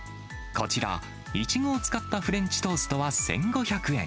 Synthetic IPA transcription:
ko̞̰t͡ɕiɾa̰ | it͡ɕiɡo̞ːt͡sɨ̥kat̪ːaɸɯ̟ɾẽ̞ɲt͡ɕi̥t̪o̞ːsɨ̥t̪o̞βasẽ̞̰ŋɡo̞çakɯ̟ẽ

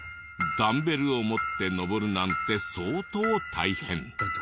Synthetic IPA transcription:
ɡ̪ambeɾɯomot̪ːenɔbɔɾɯnant̪esoːt̪ot̪ʰa̰jhen

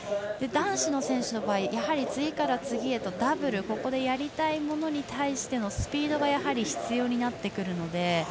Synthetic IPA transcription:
d̪e̞d̪ãɰ̃ɕino̞sẽ̞ɰ̃ɕɨno̞baːijahaɾʲit͡sɨɡʲikaɾat͡sɨɡʲie̞t̪o̞d̪abɯ̟ɾɯ̟ko̞ko̞d̪e̞jaɾʲit̪aimo̞no̞ɲ̟it̪aiɕi̥t̪e̞no̞sɨ̥pʲiːd̪o̞ɡajaɦaɾʲiçi̥t͡sɨjo̞ːɲ̟inat̪ːe̞kɯ̟ɾɯ̟no̞d̪e̞

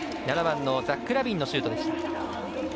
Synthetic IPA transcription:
naɾabãnːo̞d͡zakːɯ̟ɾabʲĩnːo̞ɕɨːt̪o̞d̪e̞s

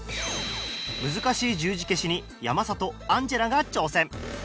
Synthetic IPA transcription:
mɯ̟zɨkaɕiːd͡ʑɨːʑike̞ɕiɲ̟i | jamasat̪o̞ãɲ̟d͡ʑeɾaɡat͡ɕo̞ːsẽ̞ɴ

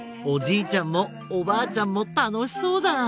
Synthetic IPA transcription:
od͡ʑiːt͡ɕãmːoː | baːt͡ɕãmːot̪ano̞ɕi̥so̞ːd̪a

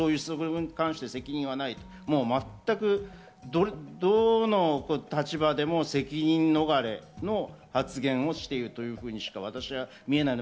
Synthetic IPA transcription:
oːjɯ̟ːsɨzokɯɯɯ̟ɲ̟kãɰ̃ɕi̥t̪e̞se̞kʲiɲ̟ĩɰ̃βanait̪o | mo̞ːmat̪ːakɯ̟ | d̪oɾd̪oːnokot̪at͡ɕibad̪e̞mo̞se̞kʲiɲ̟ĩnːo̞ɡaɾe̞no̞hat͡sɨɡẽ̞ɰ̃o̞ɕi̥t̪e̞iɾɯ̟t̪o̞jɯ̟ːɸɯ̟ːɲ̟iɕi̥kaβ̞at̪aɕiβa | mʲie̞naino

